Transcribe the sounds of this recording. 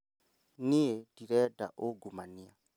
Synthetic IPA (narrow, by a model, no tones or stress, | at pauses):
niediɾɛda̰ʔoɡumania